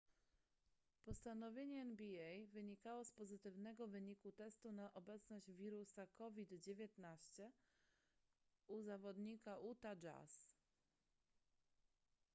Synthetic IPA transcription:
pɔst̪anɔvʲjeɲɛːnbʲiɛjvɘɲikawɔspɔzɘt̪ɘvnɛɡɔvɘɲikut̪ɛst̪unaʔɔbɛt̪snɔʑd͡ʑvʲiɾusakɔvʲid̪d͡ʑevʲjɛt̪naɕt͡ɕɛ | uzavɔd̪ɲikaʔut̪ad͡ʒa̰s

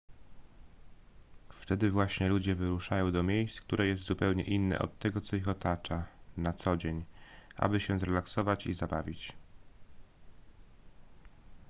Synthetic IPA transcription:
ft̪ɛd̪ɘvwaɕɲɛlud͡ʑɛvɘɾuʂajɔ̃w̃d̪ɔmʲjejst̪kt̪uɾɛjɛst̪zupɛwɲɛ̰ʔinːɛ̰ʔɔ̰t̪ːɛɡɔt̪sɔixɔt̪at͡ʂanat̪sɔd͡ʑeɲʔa̰bɘɕɛzɾɛlaksɔvat͡ɕḭzabavʲit͡ɕ

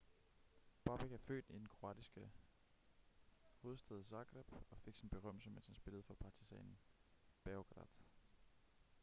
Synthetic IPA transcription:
b̥ɑb̥eɡ̥æfø̰ːd̥id̥enkʰʁo̝æ̰d̥isɡ̥ə | ho̝ːð̞̩ˠsd̥ɛð̞̩ˠsɑ̈ɡ̥ʁɑb̥ɒ̽fe̝ɡ̥sinb̥e̝ʁɶm̰l̩səmen̰shænsb̥e̝ləð̞̩ˠfɒ̽pʰɑ̈t͡sʰisɛ̰nn̩b̥æɡ̥ʁɑ̰̈d̥ˠ

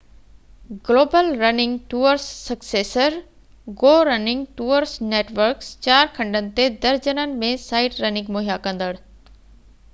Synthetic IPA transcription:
ɡloːbəlɾɐnɪ̃ŋɡʈuːəɾsːɐkseːsəɾ | ɡoːɾɐnɪ̃ŋɡ̚ʈuːəɾsneːʈʋəɾkst͡ɕaːɾkʰɐ̃ɳɖənɪ̆t̪ed̪ɐɾd͡ʑənənɪ̆mẽsaːɪʈɾɐnɪ̃ŋɡmoːɦijakɐ̃nd̪əɽ

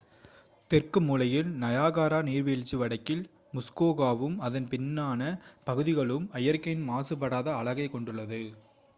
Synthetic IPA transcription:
t̪ɪrkɯmːuːlɐjɪlnɐjaːɣaːɾaːniːɾʋiːɭt͡ʃːiʋɐɽɐɪkːɪl | mʊskoːɣaːʋɯmɐðɐnpɪnːaːnɐpɐɣɯðɪɣɐɭɯmɐjɐɾkɐjɪnmaːsɯp̬ːɐɽaːðɐːɭɐɣɐɪkːɔɳɖɯɭːɐðɯ

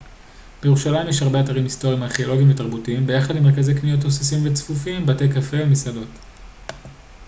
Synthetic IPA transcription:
b̥ejeʁuʃalamjeʃhaʁbeataʁimisto̞ʁiimaχeo̞lo̞ɡimvetaʁbutiimbe̞jaχadimekaze̞jknijot̪̬ːosisimvet͡sfufiimbate̞kafevemisado̞t

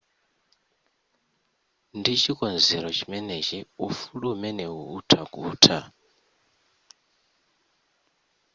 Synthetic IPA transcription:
ndit͡ʃʰikʼɔnd͡zɛɾɔt͡ʃʰimɛnet͡ʃiufuluumɛnɛuːtʰaɡʼuːtʰa

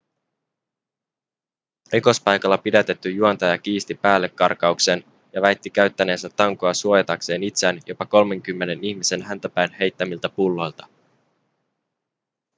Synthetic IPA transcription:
riko̞spɑjkɑlːɑpidæt̪e̞t̪ːyjuɑnt̪ɑjɑk̟iːst̪ipæːlːe̞kːɑ̰rkɑukse̞n | jɑʋæjt̪ːik̟æɥt̪ːæne̞ːnsæt̪ːɑŋkoɑsuo̞jɑt̪ɑkse̞ːnit̪sænjo̞pɑko̞lme̞ŋkymːene̞niçmise̞nɦænt̪æpæjnhe̞jt̪ːæmilt̪æpulːo̞jlt̪ɑ̥

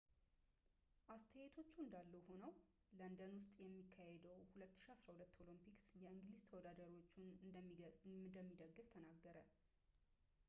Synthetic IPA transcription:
ʔast̪ʰəjet̪ʰo̞t͡ʃːuɨnd̪alːəwho̞nəw | lənd̪ənwʊst̪ʼjɛmːikʰːahɛd̪əwhulət̪ːɨ̥ʃiasɾahulət̪ːo̞limpiksjɛɨŋɡlizt̪ʰəwɔd̪ad̪əɾwot͡ʃːunɨnd̪əmːiɡəɨnd̪əmːid̪əɡːɨft̪ʰənaɡːəɾə

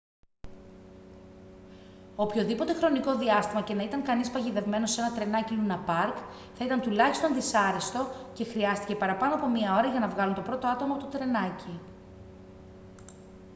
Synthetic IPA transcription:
opço̞ðipo̞t̪e̞xɾo̞niko̞ðiɐst̪imɐce̞nɐit̪ɐŋkɐnispɐʝiðe̞vme̞no̞se̞nɐt̪ɾe̞nɐcilunɐpɐɾk | θɐit̪ɐnt̪ulɐçist̪onðisɐɾe̞st̪o̞ce̞xɾiɐst̪i̥ce̞pɐɾɐpɐno̞ɐpo̞miɐo̞ɾɐʝɐnɐvɣɐlunt̪o̞pɾo̞t̪o̞ɐt̪o̞mɐpot̪ot̪ɾe̞nɐci

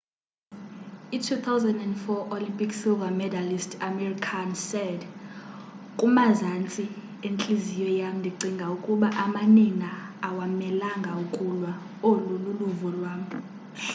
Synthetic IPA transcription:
itʰut̪ʰawzandɛndfɔʔolimpʼiksilvamɛdalistʰamɛrikʰansɛd | kʼumazant͡sʼi | ent͡ɬʼizijɔjam̩ndʱiǀiŋɡʱaukʼuɓaʔamaninaːwamɛlaŋɡʱaukʼulwa | olululuvɔlwaːm̩

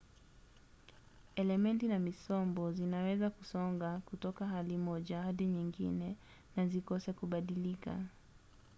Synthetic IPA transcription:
ɛlɛmɛntinamisɔmbɔzinawɛzakusɔŋɡakutɔkaɦalimɔʄahaɗiɲiŋɡḭnɛ | nazikɔsɛkuɓaɗilika̰

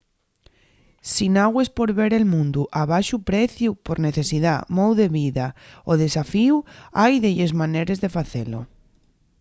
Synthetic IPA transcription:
sinaɣwespoɾβeɾelmũnd̪uʔaβajʃupɾɛθjupoɾneθesiðamowðeβiðaoðesafiwajðeʎezmaneɾezðefaθelo̰

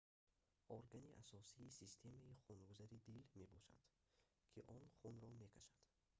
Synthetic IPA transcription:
ʔɔɾɡaniʔasɔsiːsist̪ʰe̞maiχunɡuzaɾid̪ilme̞bɔʃa̰d̪̥ | kʰiʔɔnχunɾɔme̞kʰaʃad̪̥

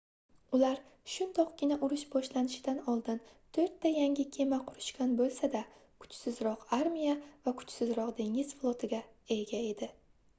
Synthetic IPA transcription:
ʊlaɾʃʊnd̪ɒqɡʲɪnaʔʊɾʊʃbɒʃlanɪʃɪd̪anɒlˠd̪ɪnt̪ʰɵɾt̪ːajaŋʲɪkʲʰe̞maqʰʊɾɪʃkʲʰanbolˠsad̪akʰʊ̥t͡ʃsɪzɾɒqaɾmijavakʰʊ̥t͡ʃsɪzɾɒqd̪e̞ŋɪz̥flˠot̪ʰɪɡʲa | eɡʲae̞d̪ɪ

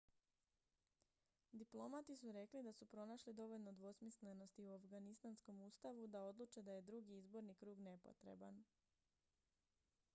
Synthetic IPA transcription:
d̪iplˠo̞mat̪isuɾe̞klid̪asupɾo̞naʃlid̪o̞ʋo̞ʎno̞d̪ʋo̞smisle̞no̞st̪iuafɡanist̪ansko̞muːst̪aʋud̪ao̞d̪lˠut͡ʃe̞d̪aje̞d̪ɾuɡiizbo̞ɾnikɾuːɡne̞po̞̰t̪ɾe̞̰ba̰n

